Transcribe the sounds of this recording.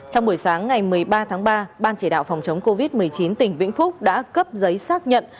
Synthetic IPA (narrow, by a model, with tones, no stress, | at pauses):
t͡ɕɔ˧wŋ͡mɓu˧˩əjsaː˨˦ŋːa˨˩jmɨ˨˩əjɓaː˧t̪ʰaː˨˦ŋɓaː˧ɓaː˧nt͡ɕi˧˩ɗa̰ː˧˨wfɔ˨˩wŋ͡mt͡ɕə˨˦wŋ͡mko˧vi˦˥t̚m˨˩əjt͡ɕi˨˦nt̪ï˨˩ŋ̟vḭ˧˥ŋ̟fʊ˦˥k͡p̚ɗa̰ː˧˥kə˦˥p̚zə˨˦jsaː˦˥k̚ɲə̰˧˨n